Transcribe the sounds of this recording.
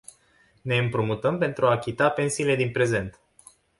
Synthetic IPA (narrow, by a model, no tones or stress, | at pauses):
ne̞ɨmpɾumut̪əmpe̞nt̪ɾuaːkʲit̪ape̞nsiːle̞d̪inpɾe̞ze̞nt̪